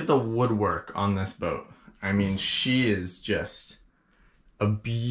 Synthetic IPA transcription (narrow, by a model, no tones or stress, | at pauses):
ɨt̪̚ðəwʊd̚wɜ˞kʰn̩ðɪsb̥oʊt̚aɪmĩnʃiɪzd͡ʒʌst | əb